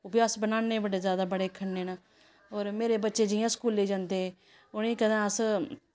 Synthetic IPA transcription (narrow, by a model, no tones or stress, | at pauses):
ʊbiasbənaːneːbəɽeːzjaːd̪aːbəɽeːkʰəɳːeːnaː | ɦoːɾmeːɾeːbətːʃeːd͡ʒɪjãːskuːleːd͡ʒãːnd̪eːeː | ʊnĩːkəd̪ãːəs